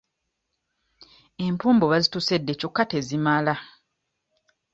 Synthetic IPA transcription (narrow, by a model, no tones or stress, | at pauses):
e̞mpuːmbo̞βazituse̞dːe̞co̞kːate̞zimala